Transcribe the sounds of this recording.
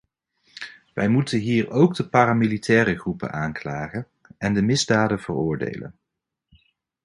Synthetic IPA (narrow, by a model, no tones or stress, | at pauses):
ʋɛjmutənɦiːrowɡdəpaːɾamilitɛːrəχrupə̰naːnklaːχən | ɛndəmɪzdaːdəv̥ərʊːɹdḛjlə̰n